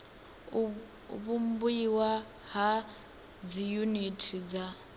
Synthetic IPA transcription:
βumbuiwa | ɦa | d͡zijunitʰid͡za

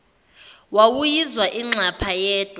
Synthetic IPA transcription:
wawujizwaʔiŋ͡ǁʱapʰajɛːd̥ʱwa

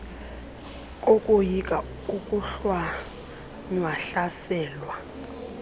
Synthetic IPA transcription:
kʼokʼujikʼa | ukʼuɬwa | ɲwaɬasɛːlwa

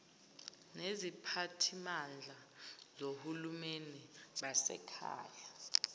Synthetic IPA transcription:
nezipʰatʰimand͡ɮʱa | zohulumeniɓasɛ̰kʰa̰ːja

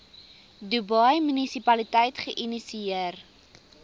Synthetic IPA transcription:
dubɐjmynisipɐlitɛjtχəʔinisiiər

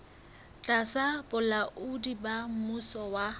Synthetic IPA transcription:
t͡ɬʼasapʼʊlaʔʊdibam̩musɔwa

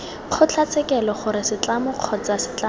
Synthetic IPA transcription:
q͡χʰʊt͡ɬʰat͡sʰɛkɛlɔχʊɾɪsɪt͡ɬamʊq͡χʰɔt͡sasɪ̥t͡ɬa

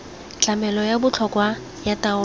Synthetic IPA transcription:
t͡ɬʼamɛlɔjabʊt͡ɬʰɔkwa | jataʊ

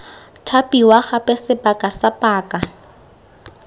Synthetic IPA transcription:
tʰapʼiwaχapʼɛsɪpʼakʼasapʼaːkʼa

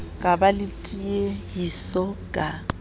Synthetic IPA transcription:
kʼabalɪtʼiejisɔkʼa

